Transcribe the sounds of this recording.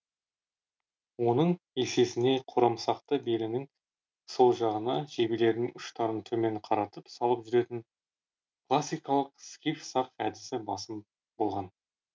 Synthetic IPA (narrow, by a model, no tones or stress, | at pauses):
wo̞nəɴ | e̞se̞sɪne̞qʰʊɾɑmsɑqt̪əbe̞lɪnɪŋ | so̞lˠʒɑʁənɑʒebile̞ɾd̪ɪŋʏʃt̪ɑɾənt̪ʰɵme̞ɴqʰɑɾɑt̪əpsɑlˠəpʒʏɾe̞t̪ɪŋ | klˠasʲːijkɑlˠəqskʲifsɑqæd̪ɪsɪbɑsəm | bo̞lˠʁɑn